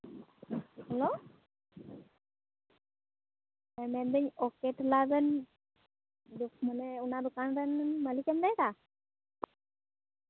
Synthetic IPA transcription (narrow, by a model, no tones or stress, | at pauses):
helo | emend̪əɲokeʈlad̪ən | d̪ukməneunad̪ukand̪ənnməlikemd̪ajt̪a